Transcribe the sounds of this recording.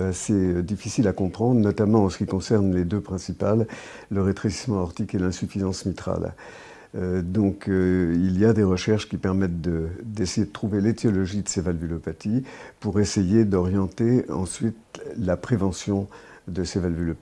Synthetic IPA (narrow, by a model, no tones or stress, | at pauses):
ased̪ifisilakɔ̃pχɑ̃d̪ʁənɔt̪amɑ̃ɑ̃sə̥kʲikɔ̃sɛʁnled̪øpχɛ̃sipalː | əʁet̪χesi̥smɑ̃ɔʁt̪ikelɛ̃syfizɑ̃smit̪χa̰l | d̪ɔ̃kilijad̪eʁəʃɛʁʃkʲipɛʁmɛt̪̚d̪əd̪esejed̪ət̪χuvelet̪eɔlɔʒid̪əsevalvylɔpat̪ʰipuʁesejed̪ɔʁjɑ̃t̪eɑ̰̃sɥit̪lapχevɑ̃sjɔ̃d̪əsevalvylɔp